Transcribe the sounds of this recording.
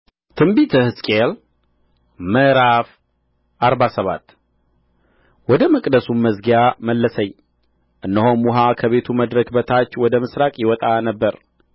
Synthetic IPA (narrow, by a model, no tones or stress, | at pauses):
t̪ʰɨmbit̪ʰɨhɨskʼel | məɾaf | ʔaɾβasəβat̪ː | wɔd̪əmɨkʼd̪əsumməzɡjaməlːəsəɲː | ʔɨnːəɦomːuɦakʰəβet̪ʰuməd̪ɾəkbət̪ʰat͡ʃːwɔd̪əmɨsɾakʼjɪwɔt̪ʼanəbːəɾ